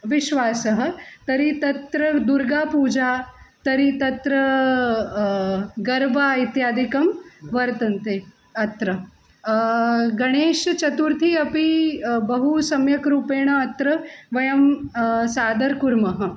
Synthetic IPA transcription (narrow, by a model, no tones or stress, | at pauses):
ʋiʃʋaːsɐɦə̆t̪ɐɾit̪ɐt̪ɾɐd̪uɾɡaːpuːd͡ʒat̪ɐɾit̪ɐt̪ɾɐ | ɡɐɾbait̪jaːd̪ʱikɐmʋɐɾt̪ɐnt̪eː | ɐt̪ɾɐ | ɡɐɽ̃eːʃt͡ʃɐt̪uɾt̪ʰiɐpibɐɦusɐmjɐkɾuːpeːɽ̃ɐɐt̪ɾɐʋɐjɐmsaːd̪ɐɾkuɾmɐɦə̆